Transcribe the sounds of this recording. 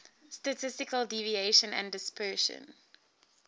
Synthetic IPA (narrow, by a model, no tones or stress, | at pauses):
stətʰɪstɪkəldivieɪʃə̃næ̰̃ndɪspʰɜʃə̰̃n